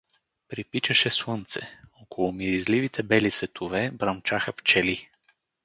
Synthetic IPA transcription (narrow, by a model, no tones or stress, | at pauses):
pɾipit͡ʃɐʃɛswɤnt̪sɛokʰolˠʊmiɾizlivit̪ʰɛbɛlisvɛt̪ʰovɛbɾɐmt͡ʃaxəpt͡ʃɛli